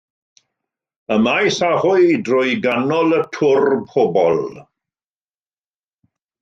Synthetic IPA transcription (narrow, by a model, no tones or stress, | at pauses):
əmajsahʊɨdrʊɨɡanɔlˠətʰʊrpʰɔbɔlˠ